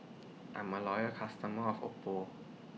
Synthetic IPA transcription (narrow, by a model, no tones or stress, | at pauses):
ʔa̰mːaːlɔːjəkʰast̪aməɔfʔo̰pːoː